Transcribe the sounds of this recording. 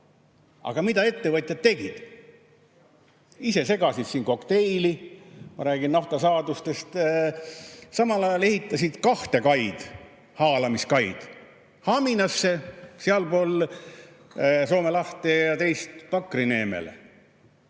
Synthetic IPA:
ɑ̰ɡ̥ɑmid̪ɑe̞t̪ːe̞vɤt̪ʲˑjɑd̪t̪e̞ɡ̥id̪̥ | ise̞se̞ɡ̥ɑsid̪̥siːnko̞kt̪e̞jlimɑɾæːɡ̥inːɑht̪ɑsɑːd̪ust̪e̞st̪ | sɑmɑlɑjɑle̞hit̪ˑːɑsid̪̥kɑht̪e̞kɑjd̪̥ | hɑːlɑmiskɑjd̪̥ | hɑminɑsːe̞seɑlpo̞l | so̞ːme̞lɑht̪e̞jɑt̪e̞jst̪pɑkːˑrine̞ːmḛlḛ

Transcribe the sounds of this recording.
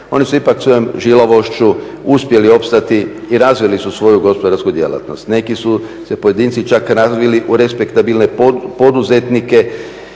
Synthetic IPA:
o̞nisuipaksʋo̞jomʒiloʋo̞ʃt͡ʃu | uspje̞lio̞pst̪at̪i | iɾazʋilisusʋo̞juɡo̞spo̞d̪aɾskud̪je̞̰la̰t̪no̞st̪ne̞kisu | se̞po̞jed̪iːnt̪sit͡ʃakɾazʋiliʔuɾe̞spe̞kt̪abilne̞po̞d̪uze̞t̪nike̞

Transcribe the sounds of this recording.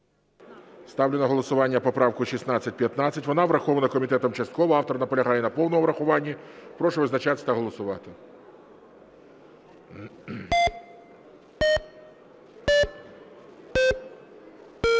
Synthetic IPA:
st̪ɑwlʲenɐɦɔlˠɔsʊʋɑnʲːɐpɔpɾɑwkʊʃisnɑt͡sʲːɐt̚ʲpʲjɐt̪nɑt͡sʲːɐtʲʋɔnɑʋɾɐxɔʋɐnɐkɔmʲit̪ɛt̪ɔmt͡ʃɐst̪̚kɔʋɔɑft̪ɔrnɐpɔlʲɐɦɑjɛnɐpɔwnɔmɔʋɾɐxʊʋɑnʲːɐpɾɔʃʊʋɪznɐt͡ʃat̪ɪt̪ɐɦɔlˠɔsʊʋɑt̪ɪ

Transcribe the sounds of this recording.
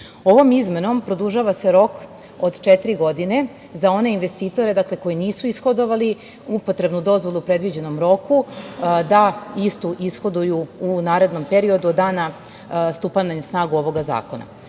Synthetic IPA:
o̞ʋo̞mizme̞no̞mpɾo̞d̪uʒaːʋase̞ɾo̞k | od̪t͡ʃet̪iɾiɡo̞d̪ine̞ | zao̞ne̞inʋe̞st̪iːt̪o̞ɾe̞d̪akle̞ko̞jiniːsuisxo̞d̪o̞ʋali | upo̞t̪ɾe̞bnud̪o̞zʋo̞lˠupɾe̞d̪ʋid͡ʑe̞no̞mɾo̞kud̪aist̪uʔisxo̞d̪ujuunaːɾe̞d̪no̞mpe̞ɾio̞d̪uod̪ːaːna | st̪upanaɲesnaːɡuo̞ʋo̞ɡaza̰ːko̞na̰

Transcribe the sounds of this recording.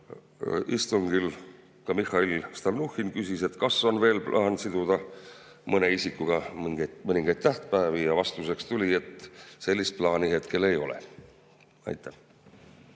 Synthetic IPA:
ist̪uŋɡ̥il | kɑmixɑilst̪ɑlnuxinkysise̞t̪kɑsːo̞nve̞ːlplʔɑːnsid̪̥ud̪̥ɑmɤne̞isikːˑuɡ̥ɑmiŋɡ̥emɤnʲiŋɡ̥ɑjdt̪t̪ːæht̪pæːvijɑvɑst̪use̞kst̪ulʲie̞t̪ːˑse̞lʲːist̪̚plɑːniɦe̞t̪ke̞le̞jo̞̰lḛ | ɑ̰jt̪ʰˑːæh

